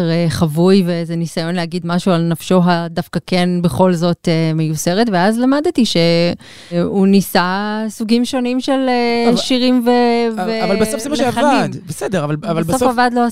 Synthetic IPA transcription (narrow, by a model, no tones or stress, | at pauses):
ʁeχavujveezenisajo̞nlehaɡid̪maʃualnafʃo̞ɦadafkakenbe̞χo̞lzo̞t̪emejuse̞ʁetveazlamad̪t̪iʃe̞ | unisasuɡimʃo̞nimʃeleʃiʁimveveavvalbeofzɛmaʃeavaimdbesedeʁavalavalsbsosfavadloa